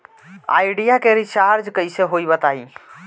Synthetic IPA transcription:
a̰jɖijakeɾit͡ʃaɾd͡ʒkəjseɦojbət̪ai

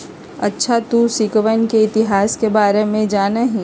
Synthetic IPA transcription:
ɐtːʃʰat̪usɪkʋənkeɪt̪ɪɦaːskebaːɾemẽd͡ʒaːnaɦĩ

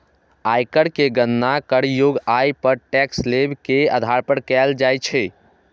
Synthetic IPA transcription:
ajkəɽkeɡənːakəɽjoɡajpəɾʈɛkslebkeə̰d̪ʱaɾpəɽkɛld͡ʒajt͡ʃʰɛ

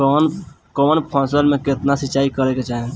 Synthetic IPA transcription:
kɔːnpʰɔ̃ːsəɾmẽkɪt̪nasɪt͡ʃaːikəɾeket͡ʃaːɦe

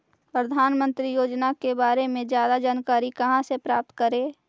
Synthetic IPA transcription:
pɾəd̪ʱaːnmə̃nt̪ɾijoːd͡ʒnakebaːɾemẽd͡ʒjaːd̪ad͡ʒaːnkaːɾikɐɦãsepɾaːp̚t̪kəɾeː

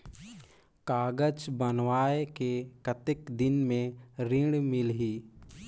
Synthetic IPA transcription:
kaːɡəd͡ʒbənwaːekekət̪ɪkd̪ɪnmẽɾɪ̃ɽmɪlɦiː

